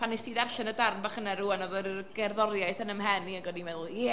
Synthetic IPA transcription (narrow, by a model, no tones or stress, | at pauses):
pʰanistiːðarɬɛnədarnbaχənaɾuanɔðɔɡ̥ɛrðɔrjajθənəmɦɛniəŋɡɔdnimɛðlˠjɛ